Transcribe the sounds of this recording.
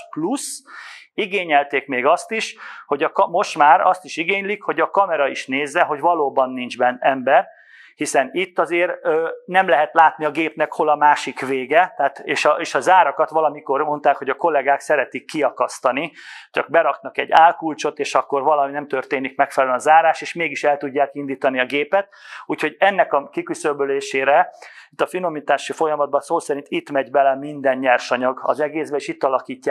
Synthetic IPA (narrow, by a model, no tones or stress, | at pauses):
plus | iɡeːɲɛlt̪eːkmeːɡɒst̪iʃho̞ɟɒkɒmo̞ʃt̪maːɾɒst̪iʃiɡeːɲlikho̞ɟɒkɒmɛɾɒiʃneːzːɛɦo̞ɟvɒloːbɒnːind͡ʒbɛnːɛmbɛr | hisɛnit̪ːɒzeːrøːnɛmlɛɦɛt̪laːt̪niɒɡeːpnɛkho̞lɒmaːʃikʋeːɡɛt̪ɛːt̪eːʃɒeːʃɒzaːɾɒkɒt̪ʋɒlɒmiko̞rmo̞nt̪aːkho̞ɟɒko̞lɛɡaːksɛɾɛt̪ikːiɒkɒst̪ɒnit͡ʃɒɡ̚bɛɾɒknɒkɛ̰ɟːaːlkult͡ʃo̞t̪eːʃɒkːo̞rvɒlɒminɛmt̪ørt̪eːnikmɛkfɛlɛlønɒzaːɾaːʃeːʃmeːɡiʃɛlt̪uɟːaːkind̪iːt̪ɒniɒɡeːpɛt̪̚uːcho̞ɟɛnːɛkɒkikysøbøleːʃeːɾɛit̪ːɒfino̞mit̪aːʃifo̞jɒmɒd̪̚bɒsoːsɛɾint̪it̪mɛɟbɛlɛmind̪ɛnɲɛrʃɒɲɒɡɒ̰zɛɡeːzbɛeːʃit̪ːɒlɒkiːcːaː